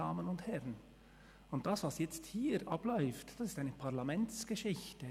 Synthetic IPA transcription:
aːmənʊnthɛʁən | ʊnt̚d̥ɑsvɑsjɛt͡sthiːɾʔɑblɔʏftd̥ɑsɪstaɪnəpʰaʁlɑmɛntt͡sɡ̥əʃɪçtə

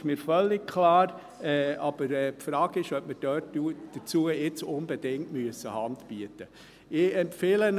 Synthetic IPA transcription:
ʃmiːɾfœlːɪɡ̚kʰlɑːɾ | ɛːɑb̥əɾɛːpfɾɑːɡɪʃœp̚məɾd̥œːtːud̥ət͡suəɪt͡sʊnbɛd̥ɪŋtmyəsəhɑndb̥yətə | ɪɛmpfeːlən

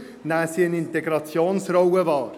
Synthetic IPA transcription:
næːsiənɪnt̪ɛɡɾɑt͡sjoːnsɾɔwəvɑːɾ

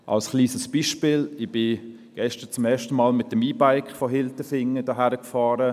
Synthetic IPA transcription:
ʔa̰lsχliːsəsb̥iʃpɪːlɪb̥ɪ | ɡ̥ɛʃtət͡sʊmɛːɐʃtəmɑːlmɪt̚dəmiːbaɪkfɔɦɪltəfɪŋːədɑɦæɾəkfɑːɾə

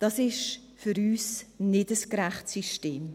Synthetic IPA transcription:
d̥ɑsɪʃ | fʏɾyːsnɪdəskɾæχtsiʃteːm

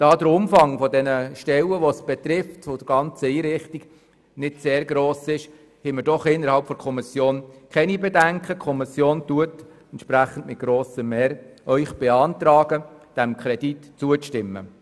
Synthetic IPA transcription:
d̥ɑːdəɾʊmfɑŋfɔdɛnəʃtɛləʋɔsb̥ɛt̪ɾɪftʋod̥̪əɾɡ̥ɑnt͡səiːɾɪχtiɡ̥ | nɪtseːɾɡɾoːsɪʃ | hɛməɾdɔχɪnːəɾhɑlpfɔɾkʰɔmɪsjoːnkʰɛnibɛdæŋkʰəkʰɔmɪsjoːntuət | ɛntt͡ʃpɾæχən̩tmɪt̚ɡ̥ɾoːsəmɛːɾʔœʏχb̥eɑntɾɑːɡ̥əd̥æmkʰɾɛd̥itt͡suəʃtɪmːə̰

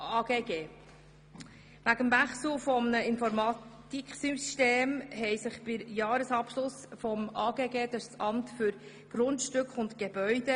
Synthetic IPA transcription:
ɑːɡeːɡeː | ʋæɡəmvæχsl̩fɔmnəɪnfɔɾmɑtt̪iksysteːmɦɛɪsɪχb̥ɪɾjɑːɾəsɑpʃlʊsfɔmɑːɡeːɡeːd̪ɑssʔɑmtfyɾ | ɡ̥ɾʊndʃtʏkχʊntɡ̥ebœʏd̥ə

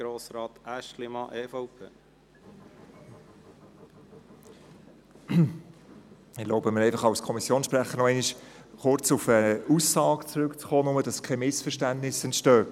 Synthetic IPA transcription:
ɡ̥ɾoːsɾɑːt̪æʃtlimɑʔeːfɔʊpʰeː | ɪloʊbəməɾɛɪfɑχɑʊskʰɔmisjoːnsʃpɾæχːənɔɛɪniʃχʊɾt͡sʊfəusːɑːɡt͡sɾʉkt͡sχoːnʊmədɑskʰɛmɪsfəɾʃtæntnɪsɛntʃtøː

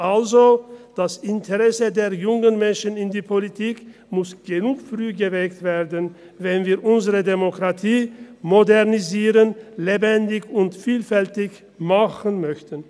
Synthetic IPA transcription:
ʔalzod̥asɪntʰəʁɛsədeːɐjʊŋənmɛnʃənɪndiːpʰolitʰiːk | mʊsɡ̥ənuːkfʁyːɡəvɛktv̥eːɐdən | vɛnviːɐʔʊnzəʁədemokʁ̥atʰiːmodɛʁniziːʁənlebɛndɪçʊntfiːlfɛltɪç | maχənmœçtən

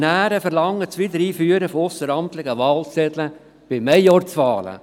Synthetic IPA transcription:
næːɾəfəɾlɑŋːət͡sʋɪd̪əɾiːfyːəɾəfɔʊsəɾɑmt̪lɪɡəʋɑːlsɛd̪lə | b̥ɪmɛjɔɾt͡sʋɑːlə̰

